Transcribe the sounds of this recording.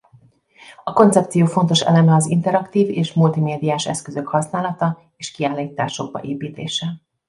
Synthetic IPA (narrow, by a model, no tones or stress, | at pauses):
ɒko̞nt̪sɛp̚t̪sijoːfo̞nt̪o̞ʃɛ̰lɛmɛɒzint̪ɛɾɒkt̪iːveːʃmult̪imeːd̪ijaːʃɛ̰skøzø̞khɒsnaːlɒt̪ɒ | eːʃkiaːliːt̪aːʃo̞ɡ̚bɒ̰ʔeːpiːt̪eːʃɛ